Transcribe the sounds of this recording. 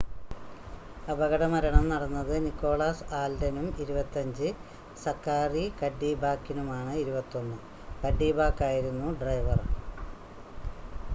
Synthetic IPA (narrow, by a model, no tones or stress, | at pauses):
ɐbɐɣɐɽɐmɐɾɐɳɐmnɐɽɐnːɐðɨnikːo̞ːɭaːsaːldɐnumiɾubɐt̪ːɐɲd͡ʑɨ | sɐrkːaːrikɐɖːiːbaːkːinumaːɳɨiɾubɐt̪ːo̞nːɨ | kɐɖːiːbaːkːaːjiɾunːuɖrɐjʋɐr